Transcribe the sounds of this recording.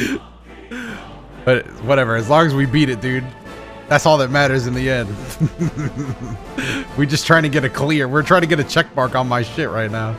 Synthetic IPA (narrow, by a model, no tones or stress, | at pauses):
b̥ʌtwʌɾɛvə˞ɨzlɔ̃ŋɨzwibiɾɨt̚d̥ʉd̚ | ðætsɔlˠðɨt̚mæɾə˞zɨ̃nðiɛ̃nd̥ | wid͡ʒʌstʰɹ̥aɪɪ̃ŋtʰɨɡɛɾɨkʰl̥ɪɹwɪɹtʰɹ̥aɪ̃ŋtɨɡɛɾɨt͡ʃʰɛk̚b̥ɑɹkn̩maɪʃɪʔ̚ɹaɪtⁿnaʊ